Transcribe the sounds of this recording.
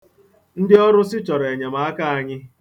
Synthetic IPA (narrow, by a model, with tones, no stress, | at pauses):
n̩˦dɪ˦ɔ˦ɾʊ˦sɪ˦t͡ʃɔ˨ɾe˨ɲe˨ma˨a˦ka˦a˨ɲɪ˦